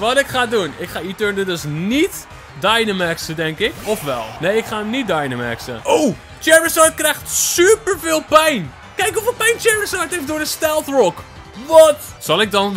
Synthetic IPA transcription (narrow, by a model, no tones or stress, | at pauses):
ʋɑtɪkχaːdunɪkχaːitøɹndədøsnit | dajnəmɛksədɛŋkɪkɔfʋɛ̰lˠnejɪkχaːəmnit̚dajnəmɛ̰ksə̰ow | t͡ʃɛɹəsɑɹt̚krɛjχtsypəɹvɪːlˠpɛjn | kɛjkɔfɪpɛjnt͡ʃɛɹəsɑɹtɦejfdʊːɹdəstɛlˠθrɔk | ʋɑtsɑlˠɪɡ̚dɑn